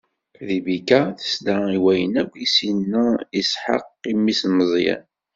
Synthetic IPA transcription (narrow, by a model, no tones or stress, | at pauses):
ðibikæθə̥sd̪aiwæjə̰nækʷːjisinːæisħə̰qːimːisnəzˤjæ̰n